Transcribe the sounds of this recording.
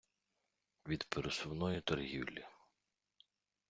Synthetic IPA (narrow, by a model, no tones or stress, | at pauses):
ʋʲid̪peɾesʊwnɔjit̪ɔrɦʲiwlʲi